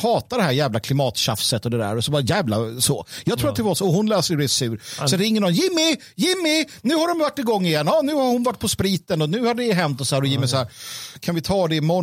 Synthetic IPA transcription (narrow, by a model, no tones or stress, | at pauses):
hɑːt̪ad̪ɛhæːɾjæːvlakʰlɪmɑːt̪ɕafsət̪ːɔd̪ɛd̪æ̰ːɾɔsɔbɑːɾajæːvla̰sojɑːɡt̪ʰɾuːɾat̪d̪ɛvaʂɔɔɦʊnlɛːsəɵd̪ɛɛsʉ̟ːɾsɔɾɪŋːənɔnjɪmːɪ | jɪmːɪ | nʉ̟ːhaɾdɔmvaʈːɪɡɔŋːɪjɛnːɑːnʉ̟ːhaɾhʊnvaʈ̚ːpʰɔspɾiːt̪ənɔnʉ̟ːhad̪ɛɪɦɛnt̪ɔsɔhæːɾɔjiːmɛjsɔhæːɾkʰanvɪt̪ʰɑːd̪ɛmɔ